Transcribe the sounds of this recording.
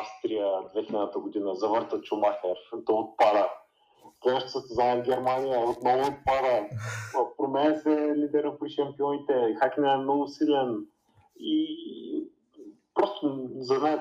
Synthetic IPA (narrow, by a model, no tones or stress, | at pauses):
afst̪ɾijəd̪vɛxilɛd̪nət̪əɡʊd̪inəzɐvəɾt̪ət͡ʃʊmaxʲɛɾt̪ɔot̪̚pad̪ə | k̪ɡaʃt̪o̥səst̪ɛzanɛɡʲɛɾmanijəot̪nɔvʊːt̪̚pad̪ə | pɾomɛnɛsɛlid̪ɛɾopɾiʃɛmpiɔnit̪ɛxakʲinɛɛmnɔɡʊsilɛn | i | pɾɔst̪ʊzɐd̪na